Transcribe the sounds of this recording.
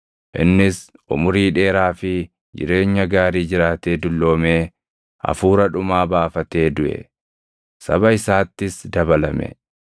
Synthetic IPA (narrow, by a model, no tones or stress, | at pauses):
ʔɪ̰nːɪs | ʔʊ̰mʊɾiːᶑe̞ːɾaːfɪ | d͡ʒɪ̰ɾe̞ːɲːɐɡaːɾiːd͡ʒɪɾaːt̪e̞ːd̪ʊlːo̞ːme̞ː | ʔɐ̰fuːɾɐᶑʊmaːbaːfɐt̪e̞ːd̪ʊʔɛ̰ | sɐ̰bɐɪsaːt̪ːɪsd̪ɐβɐlɐmɛ̰